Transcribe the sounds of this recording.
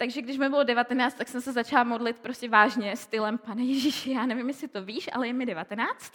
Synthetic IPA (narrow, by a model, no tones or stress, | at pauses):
t̪aɡʒɛɡdɪʃmɪbɪlodɛvat̪ɛnaːt͡st̪aksɛmsɛzat͡ʃalamo̞dlɪt̪̚pɾo̞scʲɛvaːʒɲɛst̪ɪlɛmpanɛjɛʒiʃɪjaːnɛvɪmjɛsɪt̪o̞viːʃʔa̰lɛjɛmɪdɛvat̪ɛnaːt͡st̪